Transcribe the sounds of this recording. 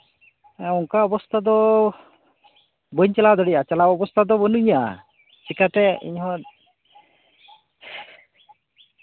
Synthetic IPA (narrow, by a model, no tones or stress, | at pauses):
ɛɔŋkaɔbɔst̪ʰad̪ɔ | bəɲt͡ʃalad̪ɔɽijʔat͡ʃalaɔbɔst̪ʰad̪ɔbənuɲaa̰ | t͡ʃikat̪ɛḭɲɦɔt̪̚